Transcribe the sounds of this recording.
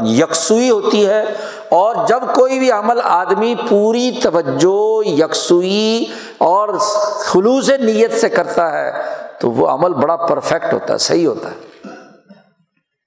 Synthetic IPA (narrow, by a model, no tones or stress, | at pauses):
jɐksuiɦoːt̪iɦɛː | ɔːɾd͡ʒɐbkoːibʱiɐməlaːd̪mipuːɾit̪ɐʋəd͡ʒːojɐqsui | ɔːɾxʊluːs̬enijət̪sekɐɾt̪aɦɛ̰ːt̪o̰ʋo̰ɐ̰məlbɐɽapəɾfʰɛk̚ʈɦo̰ːt̪a̰ɦɛ̰sɐ̰ɦiɦo̰ːt̪a̰ɦɛ